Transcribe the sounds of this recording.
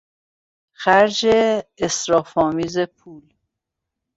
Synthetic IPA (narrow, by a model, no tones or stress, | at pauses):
xæɾd͡ʒeːsɾɒːfɒːmiːze̞pʰuːl